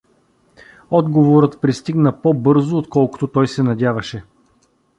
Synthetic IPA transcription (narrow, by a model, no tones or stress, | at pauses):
ɔd̪ɡovoɾət̪pɾist̪iɡnəpobɤɾzʊot̪kɔlˠkʊ̥t̪ot̪ɔjsɛnɐdʲjavɐʃɛ